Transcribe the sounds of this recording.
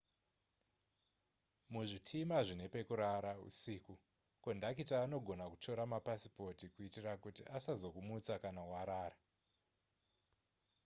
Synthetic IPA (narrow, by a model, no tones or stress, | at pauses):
muʐitʰimaʐine̞pe̞kuɾaɾaṵsiːku | kondakitaːno̞ɡʱo̞nakuto̞ɾamapasi̥po̞tikuitirakutiʔasazo̞kumut͡sakanawaɾaːra